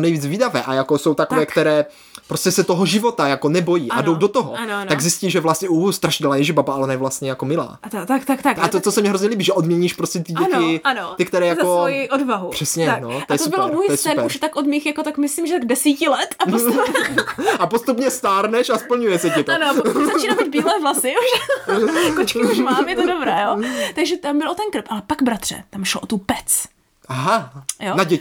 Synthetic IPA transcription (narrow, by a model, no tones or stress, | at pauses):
nɛjviːd͡zviːdavɛːʔajakoso̞wt̪akovɛːkt̪ɛɾɛː | pɾoscɛsɛt̪oɦoʒɪvo̞t̪ajakonɛbo̞jiːʔadowdot̪oɦo̰annaɡzɪsciʒɛvlast̪ɲɛʔust̪ɾaʃɪdlaːjɛʒɛbabaʔalɛʔonajɛvlast̪ɲɛjakomɪla̰ːt̪akt̪akt̪aat̪ot̪osɛmɲɛɦɾozɲɛliːbiʒɛʔodmɲɛɲiːʃpɾoscɛt̪ɪɟɛnɪanot̪ɪkt̪ɛɾɛːjaoojiʔodvaɦupr̥ɛsɲɛnot̪ojɛtosubɪloɾmojiɛsɛpɛuʃt̪akʔodmixjakot̪akmɪsliːmʒɛt̪aɡdɛsiːcɪlɛt̪au | apost̪upɲɛst̪aːɾnɛʃaspl̩ɲujɛsɛcɪt̪oanoapouzat͡ʃinabid̪biːlɛːvlasɪuʃ | kot͡ʃkɪuʃmamjɛt̪odobɾɛːjot̪aɡʒɛt̪ambɪlot̪ɛnkɾ̩pʔalɛpaɡbɾat̪r̥ɛ̰t̪amʃloʔot̪upɛt͡s | ʔaɦajonaɟɛcɪ